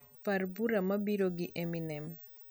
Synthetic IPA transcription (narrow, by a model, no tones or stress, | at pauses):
parbuɾamɐbiɾoɡiʔeminɛm